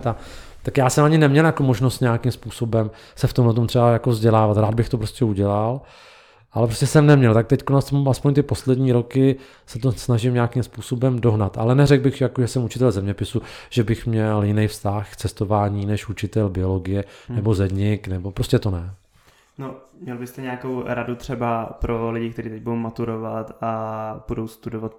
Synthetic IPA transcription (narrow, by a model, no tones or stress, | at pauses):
t̪a | t̪akjaːsɛmaɲɪnɛmɲɛljakomo̞ʒno̞st̪ɲejakɪmspuːso̞bɛm | sɛft̪omlɛt̪omt̪r̥ɛbajakovzɟɛlaːvat̪ɾaːd̪bɪxt̪opɾoscɛuɟɛlal | ʔalɛpɾoscɛsɛmnɛmɲɛlt̪ak̚t̪ɛckonasaspo̞ɲt̪ɪpo̞slɛdɲiːɾo̞kɪ | sɛt̪osnaʒɪmɲaakɪmspuːso̞bɛmdo̞ɦnat̪ʔa̰lɛnɛɾɛɡ̚bɪɣjakoʒɛsɛmut͡ʃɪt̪ɛlzɛmɲɛpɪsuʒ̥ɛbɪxmɲɛljɪnɛjfst̪axkt͡sɛst̪o̞vaːɲiːnɛʃut͡ʃɪt̪ɛlbɪo̞lo̞ɡɪjɛnɛbo̞zɛdɲɪknɛbo̞pɾoscɛt̪o̞nɛ | nomɲɛlbɪst̪ɛɲɛakowɾadut̪r̝̥ɛbapɾolɪɟɪkt̪ɛɾiːt̪ɛc̚budowmat̪uɾovat̪ab̥udo̞wst̪udovat̪̚